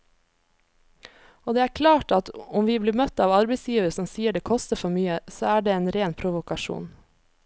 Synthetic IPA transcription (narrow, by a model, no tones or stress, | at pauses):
oːd̪eːæːɾkʰlɑːʈɑt̪ʊmʋiːbliːmœt̪ːɑːʋɑɾbɛɪsjiːʋəɾəsɔmsiːəɖeːkʰɔst̪əfɔɾmyːəsoːæːɖeːeːnɾeːnpʰɾʊʋʊkɑʃṵːn